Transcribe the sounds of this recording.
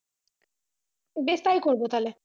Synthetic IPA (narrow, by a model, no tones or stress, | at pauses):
best̪ajkoɾbot̪ale